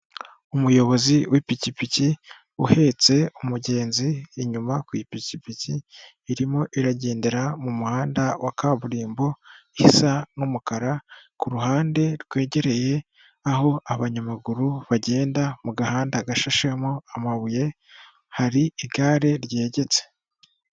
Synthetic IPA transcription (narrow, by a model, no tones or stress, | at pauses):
umujo̞βo̞ziwʔipicipici | ṵhe̞t͡se̞umuɟe̞ːnziːɲumakwipicipiciː | ɾimo̞ʔiɾaɟe̞ːndeɾamumuhaːndawakaːβuɾiːmbo̞ | hisanumukaɾakuɾuhaːnde̞ɾɡwe̞ːɟe̞ɾe̞je̞ | aɦo̞ʔaβaɲamaɡuɾuβaɟe̞ːndamuɡahaːndaɡaʃaʃemoamaβuje̞ | haɾiiɡaːɾe̞ɾɟe̞ːɟe̞t͡se̥